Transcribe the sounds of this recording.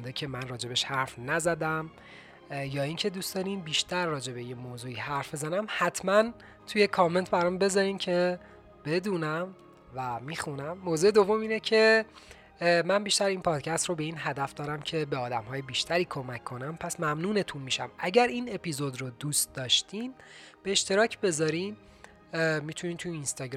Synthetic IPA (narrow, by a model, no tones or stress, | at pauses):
nd̪ecʰe̞mænrɒːd͡ʒe̞beʃhæɾfnæzæd̪æm | jɒːiŋcʰe̞d̪uːsd̪ɒːniːnbiːʃt̪ʰæɾːɒːd͡ʒe̞bejemoːzuːiːhæɾfbezænæmhæt̪ʰmæn | t̪ʰuje̞kʰɒːme̞nt̪ʰbæɾɒmbe̞zɒɾiːmcʰe̞ | b̥e̞d̪uːnæm | væmiːxunæmːoːzuːed̪o̞vo̞miːnecʰe̞ | mænbiːʃt̪æɾiːnpʰɒːd̪̥cʰæst̪robe̞iːnɦæd̪æfd̪ɒːɾæmcʰe̞beɒːd̪æmɦɒːjebiːʃt̪ʰæɾiːkʰo̞mæcʰːo̞næmpʰæsmæmnuːnet̪ʰunmiːʃæ̰mæɟæɾiːne̞pʰiːzod̪rod̪uːst̪̚d̪ɒːʃt̪iːmb̥eːʃt̪e̞ɾɒːcʰbe̞zɒɾim | miːt̪ʰuniːnt̪ʰuiiːnst̪ɒɡɾ